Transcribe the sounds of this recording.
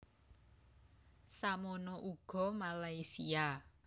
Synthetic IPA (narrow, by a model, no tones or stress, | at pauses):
samonɔʔuɡ̥ɔ̤malajsia